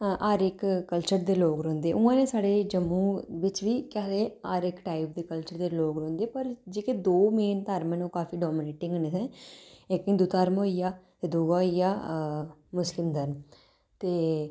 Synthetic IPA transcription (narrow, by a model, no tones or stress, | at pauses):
ʔaɾɪkːəlt͡ʃəɾd̪eːloːkɾõːnd̪eːʔʊãːnẽːsaːɽeːd͡ʒəmːũːʋɪt͡ʃʋiːkɛːleːaːɾɪkʈaːip̚d̪eːkəlt͡ʃəɾd̪eːloːɡɾõːnd̪eːpəɾd͡ʒeːkeːd̪oːmeːnt̪aːɾmɛ̃noːkaːfiːɖɔːmɪneːʈɪ̃ŋɡneːsɛ̃ːeːkɪ̃ːd̪uːt̪aːɾmoːijaː | ed̪uːɡaːijaː | mʊslɪmd̪əɾm | t̪eː